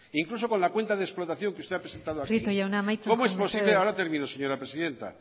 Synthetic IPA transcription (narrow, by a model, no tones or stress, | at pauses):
iŋklus̬o̞ko̞nlakwe̞nt̪aðesplot̪aθjo̞ŋkeust̪eapɾese̞nt̪aðoakiit̪ojaunamajkomoespo̞sileaoɾat̪eɾmĩnoseɲo̞ɾapɾesiðe̞nt̪a̰